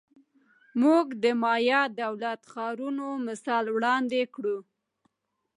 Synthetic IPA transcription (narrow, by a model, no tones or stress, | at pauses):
muɡd̪əmɑjɑd̪awlat̪xɑɾunomɪsɑlwɽɑnd̪ekɽu